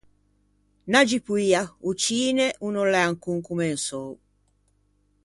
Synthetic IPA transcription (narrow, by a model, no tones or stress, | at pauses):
nad͡ʒipuiaut͡ʃiːnɛʔunɔlɛaŋkuŋkumɛnsɔu